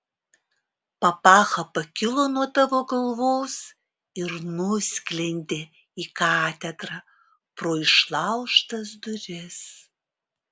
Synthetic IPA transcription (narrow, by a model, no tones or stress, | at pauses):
pɐpɑːxɐpɐkʲɪlˠoːnuɔt̪ɐʋoːɡɐlˠʋoːs | ɪɾnʊsʲkʲlʲɛnʲd̪ʲe | iːkɑːt̪ʲɛd̪ɾɐ | pɾoːɪʃlˠɑʊʃt̪ɐs̬d̪ʊɾʲɪs